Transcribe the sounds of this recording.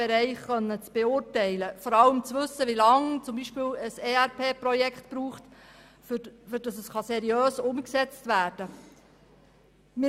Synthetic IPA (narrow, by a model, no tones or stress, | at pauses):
ɛɾɛɪχχœnːət͡sb̥eʊrtɛɪləfɔɾɑləmt͡sʋɵsːəʋilɑŋt͡sʊmbiːʃpɪːwəseːæɾpʰeːprɔjɛkχtpɾuːχt | fʏɾd̥ɑsəsχɑsɛɾiøːsʊmksɛt͡stvæːɾd̥ə | mɪ